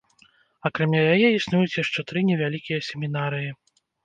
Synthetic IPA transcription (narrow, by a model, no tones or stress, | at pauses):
akɾamʲajajɛisnujut͡sʲjaʂt͡ʂɛt̪ɾɨnʲɛvʲalʲikʲijɐsʲɛmʲinaɾɨji